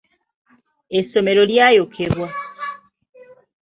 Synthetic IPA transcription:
esːome̞ɾoljajokʰeɾwa

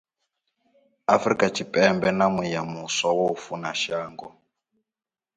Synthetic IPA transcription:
afɾikʼat͡ʃipʼɛmbɛnamujamusawɔufunaʃaːŋɡɔ

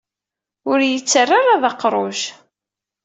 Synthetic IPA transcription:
ʊɾjət͡sːərːaɾaðɑqɾˤoʒ

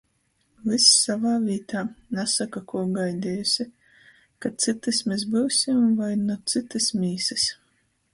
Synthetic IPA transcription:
visːavaːvʲiːt̪aːnasakakuɔɡajd̪ʲɛːjusʲi | kat̪sɨt̪ɨsmʲes̬bɨwsʲimvajnut̪sɨt̪ɨsmʲiːsɨs

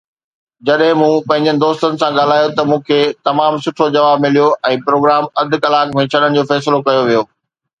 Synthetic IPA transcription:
d͡ʑɐɗɦɪ̃mũːpɐ̃ɦɪ̃ɲd͡ʑənɪ̆d̪oːst̪ənɪ̆sãɠaːl̤aːjot̪ɐmũːkʰet̪ɐmaːmsʊʈʰod͡ʑɐʋaːb̚mɪlijoʔɛ̃ːpɾoːɡɾaːmɐd̪ʱʊ̆kɐlaːkmẽt͡ɕʰɐɗəɽ̃ɪd͡ʑoːfɛːs̬ɪlokɐjoʋijoː

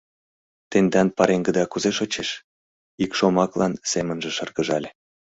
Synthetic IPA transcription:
t̪end̪ɑnpɑɾeŋɡə̆d̪ɑkuzeʃot͡ɕeʃ | ikʃomɑklɑnsemənʒĕʃɤrɣəʒɑlʲe

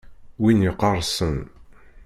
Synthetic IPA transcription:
winjiqːərˤsən

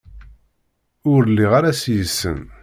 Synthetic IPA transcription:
ʊɾlːiʁaɾasjəsːə̰n

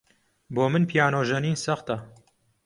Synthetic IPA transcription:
boːmɨnpʰijaːnoːʒɐniːnsɐxt̪ɐ

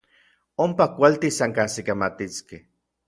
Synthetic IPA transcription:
ompakʷalt̪isaŋkasikamat̪iskeh

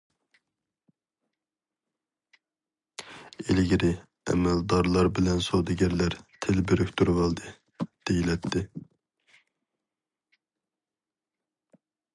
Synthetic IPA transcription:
elɡʲiɾɪ | ɛ̰mɛld̪ɑɾlˠɑɾbɪlɛnsod̪ɨɡʲɛɾlæɾt̪ʰɪlbeɾykʲt̪ʰuɾwɑlˠd̪ɨ | d̪̥ejilɛt̪ʰːɪ

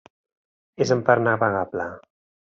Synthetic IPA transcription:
ezəmpaɾnapaɣapla

